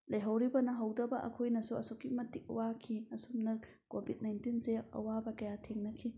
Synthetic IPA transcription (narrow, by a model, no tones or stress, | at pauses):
lɐjɦɐwɾibɐnɐɦɐwdɐbɐʔɐ̰kʰojnɐsuɐ̰sokːimɐtik̚ɐ̰wakʰiɐsumnɐ | kobʱit̚najntinseɐ̰wabɐkɐjatʰeŋnɐkʰi